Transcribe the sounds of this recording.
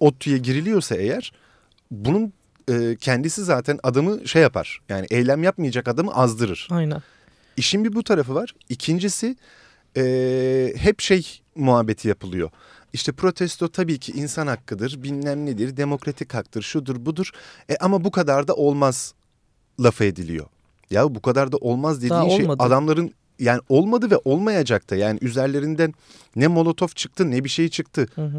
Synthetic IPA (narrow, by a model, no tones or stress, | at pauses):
ot̪ʰːujaɟiɾilʲijo̞ɾsae̞jæɾ̥ | bunun | ɯːcʰɛnd̪isizaːt̪ʰænad̪amɯʃejapʰa̰ɾ̥jaːnḭʔejlʲæmjapmɯjad͡ʒakad̪amɯ̰ʔazd̪ɯɾɯɾ̥ajna | iʃinbibut̪ʰaɾafɯvaɾ̥icʰind͡ʒisi | ɛːhɛpʃejmuɦabːe̞t̪ʰijapʰɯlˠɯjo̞̰ | iʃt̪ʰɛpʰɾo̞t̪ʰɛst̪ʰo̞t̪ʰabiːcʰiʔinsanhakːɯd̪ɯɾbinlʲæmlʲid̪iɾd̪e̞mo̞kɾat̪ʰichak̚t̪ʰɯɾʃud̪uɾbud̪uɾ̥ɛʔamabukʰad̪aɾd̪aʔo̞lˠmaz̥ | lˠafaed̪ilʲḭjo̞̰ | jabukad̪aɾd̪aʔo̞lˠmazd̪eiːʃejad̪amlˠaɾɯn | jaːniʔo̞lˠmad̪ɯvɛʔo̞lˠmajad͡ʒak̚t̪ʰajaːnḭʔyzæɾlʲe̞ɾind̪ænː | ɛmo̞lˠo̞t̪ʰo̞ft͡ʃʰɯk̚t̪ʰɯnɛbiʃe̞jit͡ʃʰɯkt̪ʰɯ